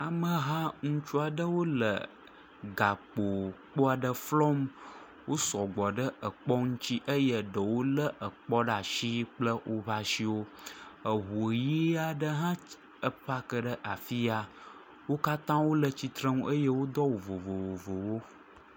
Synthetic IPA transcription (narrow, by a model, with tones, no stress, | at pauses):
a˨mə˨ɦã˦ŋũ˦t͡ʃu˦a˨ɖə˦wo˦lə̰˨ | ɡa˨k͡po˨k͡po˦a˨ɖə˦flɔ˦m | wo˦sɔ˨ɡ͡bɔ˨ɖə˦ə˨k͡pɔ˦ŋũ˦t͡ɕi˦ʔə˦jə˨ɖə˨wo˦lə˦ʔə˨k͡pɔ˦ɖa˨ʃi˦k͡plə˦wʔo˦βa˦ʃi˦wo˦ə˨ɦu˨ji˦a˨ɖə˦ɦã˦ | ə˨pa˦kə˦ɖə˦ʔa˨fi˦a˨ | wo˦ka˦t̪ã˦wo˦lə˨t͡ɕi˨t̪ɾə̃˦ŋũ˦ʔə˦jə˦wo˦d̪ɔ˦wo˨vo˨vo˨wo˨vo˨wo˦